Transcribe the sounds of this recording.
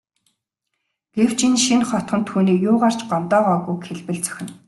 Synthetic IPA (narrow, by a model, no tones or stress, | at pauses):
ɡ̥ew̥t͡ɕinʃinχɔt̪χə̆nt̪ʰːuːniːjʊːʁar̥t͡ɕɢɔnt̪ɔːʁɔːɣujkxeɮpɘ̆ɮt͡sœ̥xʲɪ̆n